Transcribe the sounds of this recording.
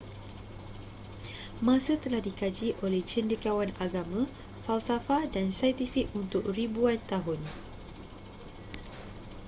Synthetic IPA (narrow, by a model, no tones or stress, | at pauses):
mãsət̪əlahdikad͡ʒiʔolɛht͡ʃəndəkawanaɡamã | falsafadansajt̪ifikunt̪ʊk̚ribuant̪aɦʊn